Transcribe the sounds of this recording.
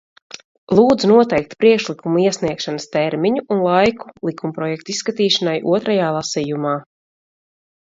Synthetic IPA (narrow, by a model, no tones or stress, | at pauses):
lˠuːd̪zunuɔt̪ɛjk̚t̪pɾiɛkʃlˠikumuiɛsniɛkʃanəst̪ɛɾmiɲuʔunlˠajku̥lˠikumpɾɔjɛk̚t̪isːkat̪iːʃanajʔṵɔt̪ɾajaːlˠasijumaː